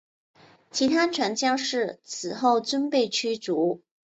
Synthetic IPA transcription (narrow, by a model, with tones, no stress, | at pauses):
t͡ɕʰi˧˥t̪ʰa˥ʈ͡ʂʰwa˧˥nt͡ɕjɑ˥ŋʂɻ̩˥˩t͡sʰɹ̩˨˩xo˥˩ʊt͡swə˥npe˥˩ɪt͡ɕʰy˥t͡su˧˥